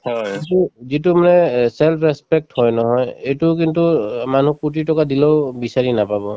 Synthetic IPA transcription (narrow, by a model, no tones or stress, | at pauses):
hɔituzitumanɛsɛlpʰɹɛspɛk̚thɔjnɔɦɔjejtuk̬intuman̤ukut̬itɔkadilɔʊbisaɹinapabɔ